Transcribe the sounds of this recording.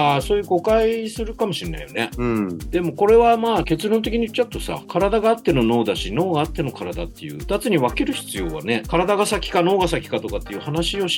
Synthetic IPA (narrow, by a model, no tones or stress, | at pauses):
aso̞ːjɯ̟ːko̞kaisɨɾɯ̟kamo̞ɕina̰ijo̞ne̞d̪̥e̞mo̞ko̞ɾe̞βamaːke̞t͡sɨɾõ̞nt̪̬ekʲiɲ̟iɯ̥t͡ɕːaɯ̟t̪o̞sa̰kʰaɾad̪aɡaːt̪ːe̞no̞no̞ːd̪aɕino̞ːɡaːt̪ːe̞no̞kaɾad̪a̰t̪ːe̞̰jɯ̟̰d̪at͡sɨɲ̟iβake̞ɾɯ̟çi̥t͡sɨjo̞ːβa̰ne̞kaɾad̪aɡasakʲi̥kano̞ːɡasakʲi̥kat̪o̞kat̪ːe̞jɯ̟ːhanaɕio̞ɕ